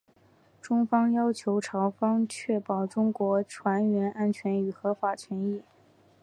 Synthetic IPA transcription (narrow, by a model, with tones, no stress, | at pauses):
ʈ͡ʂʊ˥ŋfɑ˥ŋjɑ˥ʊt͡ɕʰjo˧˥ʊʈ͡ʂʰɑ˧˥ʊfɑ˥ŋt͡ɕʰɥɛ˥˩pɑ˨˩ʊʈ͡ʂʊ˥ŋkwɔ˧˥ʈ͡ʂʰwa˧˥nɥɛ˧˥nʔa˥nt͡ɕʰɥɛ˧˥ny˨˩xɤ˧˥fa˨˩t͡ɕʰɥɛ˧˥ni˥˩